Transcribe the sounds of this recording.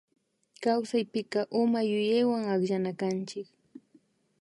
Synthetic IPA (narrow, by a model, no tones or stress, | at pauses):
kawsajpɪkɑʔʊmajʊjajwaŋaχʒanakant͡ʃɪk